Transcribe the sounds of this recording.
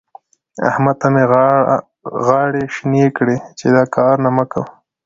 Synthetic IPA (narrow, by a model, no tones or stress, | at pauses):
a̰hmad̪̚t̪ame | ɣɑɽeʃnjekɽet͡ʃed̪ɑkɑɾnaməkaw